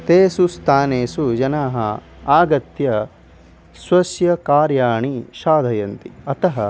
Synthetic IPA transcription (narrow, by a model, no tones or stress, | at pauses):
t̪eːsust̪ʰaːneːsud͡ʒɐnaːɦɐ̰ | aːɡɐt̪jɐ | sʋɐsjɐkaːɾjaːɳiʃaːd̪ʱɐjɐnt̪iɐt̪ɐɦɐ